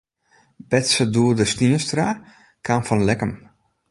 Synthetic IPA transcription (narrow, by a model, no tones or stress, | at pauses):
bɛtsəduədəstinəstra | kʰanfɔnlɛkəm